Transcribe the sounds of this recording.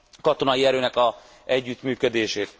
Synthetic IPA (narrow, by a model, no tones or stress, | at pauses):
kɒt̪onɒjiɛɾøːnɛkɒ | ɛɟːyt̪myːkød̪eːʃeːt̪